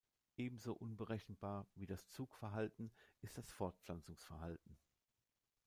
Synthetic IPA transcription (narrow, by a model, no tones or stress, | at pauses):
ʔeːbm̩zoːʔʊnbəʁɛçn̩baːɐviːdast͡suːkfɛɐɦaltn̩ʔɪstd̥asfɔɐt̚pflant͡sʊŋsfɛɐɦaltn̩